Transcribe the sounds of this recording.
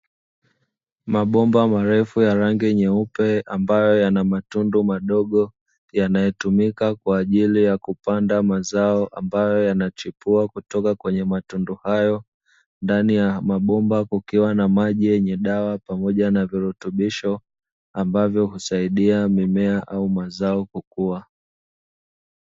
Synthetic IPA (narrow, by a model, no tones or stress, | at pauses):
maɓɔmbamaɾɛfujaɾaŋɡiɲɛupɛambajɔjanamatundumaɗɔɠɔ | janajɛtumikakwaːʄilijakupandamazaɔʔambajɔjanat͡ʃipuakutɔkakwɛɲɛmatunduhajɔ | ndanijamaɓɔmbakukiwanamaʄijɛɲɛɗawapamɔʄanaviɾutuɓiʃɔ | ambavjɔhusaiɗiamimɛaʔaumazaɔkukua